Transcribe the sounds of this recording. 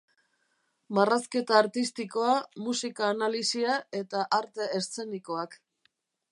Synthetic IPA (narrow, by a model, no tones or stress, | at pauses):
maraske̞t̪aːɾt̪ist̪iko̞amusikaːnalisiae̞t̪aʔaɾt̪e̞est͡se̞niko̞ak